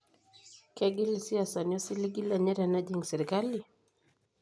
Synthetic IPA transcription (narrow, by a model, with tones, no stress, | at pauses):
kɛɡi˦lisi˦a˨saniɔ˦si˦li˦ɡi˦la˨ɲɛ˦ɾa˨nad͡ʒiŋɡsɛɾikali